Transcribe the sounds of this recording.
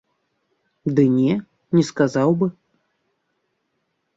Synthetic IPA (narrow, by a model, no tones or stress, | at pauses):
d̪ɨnʲɛ | nʲɛskazawbɨ